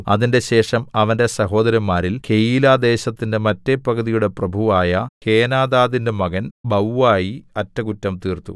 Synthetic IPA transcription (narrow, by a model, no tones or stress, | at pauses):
ɐ̰ðinde̞ɕe̞ːʂɐmɐʋɐnde̞sɐɦo̞ːd̪ɐɾjɐmːaːɾilke̞jiːlaːd̪e̞ːɕɐt̪ːinde̞mɐtːe̞pːɐɡːɐðijuɽe̞prɐbʱuʋaːjɐke̞ːnaːd̪aːðinde̞mɐɣɐnbɐwʋaːjiɐtːɐkutːɐmt̪iːrt̪ṵ